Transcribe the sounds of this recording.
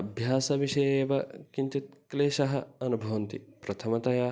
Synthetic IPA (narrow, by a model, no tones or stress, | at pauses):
ɐbʱjaːsɐʋiʃɐjeːʋɐkint̪it̪̚kleːʃɐɦɐɐnubʱɐʋɐnt̪ipɾɐt̪ʰɐmɐt̪ɐjaː